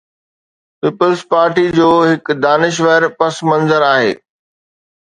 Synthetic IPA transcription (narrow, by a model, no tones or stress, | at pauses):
piːpəlzpaːɾʈid͡ʑoːɦɪkd̪aːnɪʃ̬ʋəɾpɐsmɐ̃nzəɾaːɦḛː